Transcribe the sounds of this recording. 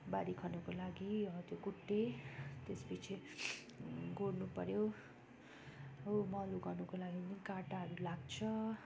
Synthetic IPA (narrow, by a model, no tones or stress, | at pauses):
baɾikʰʌnukolaɡiʌt̪jokuʈːet̪esbit͡sʰe | ɡʱornupʌɾjo | omʌluɡʌnukolaɡinikaʈaɦʌɾulaɡt͡sʰʌ